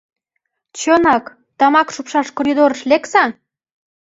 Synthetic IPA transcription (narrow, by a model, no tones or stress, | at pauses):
t͡ɕonɑk | t̪ɑmɑkʃupʃɑʃkoɾʲid̪oɾəʃlʲeksɑ